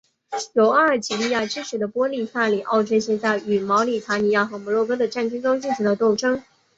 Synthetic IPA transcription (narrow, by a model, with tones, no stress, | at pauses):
jo˨˧˥ʊa˥˩ə˨˩t͡ɕʰi˨˩li˥˧ja˥˩ʈ͡ʂɻ̩˥ʂ̩ʰ˨˩d̪ə˧˦pwɔ˥li˥˧sa˥˩li˨˩ʔɑ˥˩ʊʈ͡ʂɛ˥nɕjɛ˥˧nt͡sa˥˩ɪy˨˩mɑ˧˥ʊli˨˩t̪ʰa˧˥ni˧˥ja˥˩xɤ˧˥mɔ˧˥lwɔ˥˧˩k̬ɤ˥d̪ə˨ʈ͡ʂa˥˩nʈ͡ʂi˥nʈ͡ʂʊ˥ŋt͡ɕi˥˩ʈ͡ʂʰu˧˥d̪ə˧t̪o˥˩ʊʈ͡ʂɤ˥ŋ